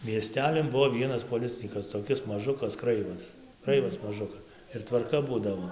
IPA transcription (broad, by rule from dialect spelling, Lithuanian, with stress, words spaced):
mʲiɛˈsʲtʲæːlʲɪn ˈbʊʋoː ˈʋʲiɛnɐs poːˈlʲɪt͡sʲɪnʲiːkɐs toːˈkʲɪs mɐˈʒʊkɐs ˈkrɐɪʋɐs ˈkrɐɪʋɐs mɐˈʒʊkɐs ɪr tʋɐrˈkɐ ˈbuːdɐʋoː